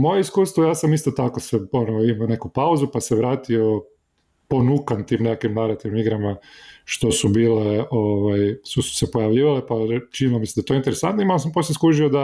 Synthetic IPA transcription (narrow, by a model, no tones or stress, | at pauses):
mojeiskuːst̪ʋojaːsamist̪ot̪akoseonoimione̞kupauzupaseʋɾaːt̪io | po̞nukant̪iːmnekakimnaɾat̪iʋnomiɡɾamaʃt̪o̞subiːleoʋajsusu̥sepojaʋʎiːʋalepat͡ʃinilomisimd̪aet̪oint̪eɾesant̪noimalosamposeskuʒiod̪a